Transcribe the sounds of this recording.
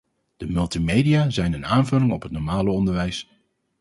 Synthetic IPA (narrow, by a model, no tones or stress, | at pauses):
d̥əmɵlˠtimejdijaːzɛjnənaːnvɵlɪŋɔpɦət̚nɔɹmaːləɔndəɹʋɛjs